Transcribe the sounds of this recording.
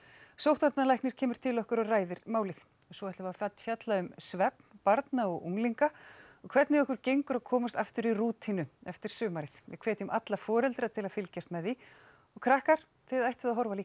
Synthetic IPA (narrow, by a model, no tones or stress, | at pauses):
sowht̪vaɾt̪nalajhknɪɾ̥cʰɛːmʏɾ̥t̪ʰɪlɔhkʏɾɔraːjðɪɾmaːwlɪθ | ɔsɔːaht̪lavafat̪fjat̪laʏmsvɛpnpaɾt̪naɔɣṵŋliŋkaɔɣkʰvɛɾt̪nɪɔhkʏɾcejŋkʏɾaðkʰɔːmast̪aft̪ʏɾiruːt̪ʰinʏɛft̪ɪɾ̥sʏːmaɾɪθvɪ̰kʰvɛːt̪ɪʏmʔat̪lafɔːɾɛlt̪ɾat̪ʰɪlaðfɪlcast̪mɛði | ɔɣkʰɾahkaɾ̥ | θɪðajht̪vɪðaɦɔɾvaliːk